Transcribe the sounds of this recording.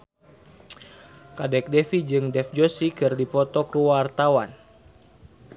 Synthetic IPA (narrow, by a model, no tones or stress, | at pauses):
kadɛk̚dɛfid͡ʒɨŋdɛfd͡ʒosikɨrdipɔt̪ɔkuwart̪awan